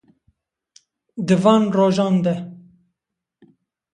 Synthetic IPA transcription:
d̪ɨvɑːnroːʒɑːnd̪ɛ

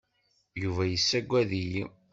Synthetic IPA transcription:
juvæjəsːæɡʷːæðij

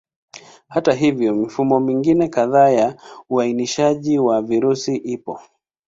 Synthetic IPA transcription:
hataɦivjɔmifumɔmiŋɡinɛkaðaːjauainiʃaʄiwaviɾusiʔipɔ

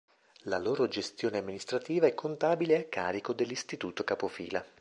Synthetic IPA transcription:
laloːɾod͡ʒest̪joːneamːinist̪ɾat̪iːvaɛkʰːont̪aːbileakːa̰ːɾikod̪elːist̪it̪uːt̪okapofḭːla

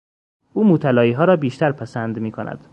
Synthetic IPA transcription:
ʔuːmoːt̪ʰælɒːjiːɦɒːɾɒːbiːʃt̪ʰæɾpʰæsænd̪miːkʰonʔæ̰d̪̥

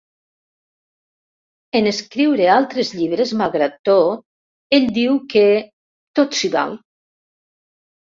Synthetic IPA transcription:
eneskɾiwɾealˠt̪ɾezʎiβɾezmaɣɾat̪o | eʎʲd̪iwke | t̪ot̪siβa̰l

